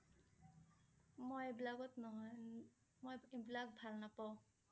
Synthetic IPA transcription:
mɔjebilaɡɔtnɔɦɔj | mojibilak̚bʱalnapaw̃

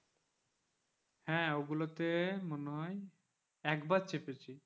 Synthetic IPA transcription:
hɛ̃oɡulot̪emoneɦɔj | ɛkbat͡ɕʰepet͡ɕʰi

